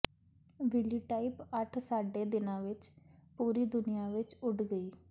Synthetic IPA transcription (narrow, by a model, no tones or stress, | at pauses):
ʋɪliːʈaːipəʈʰsaːɖeːd̪ɪnãːʋɪt͡ʃpuːɾiːd̪ʊnɪjaːʋɪt͡ʃʊɖɡəiː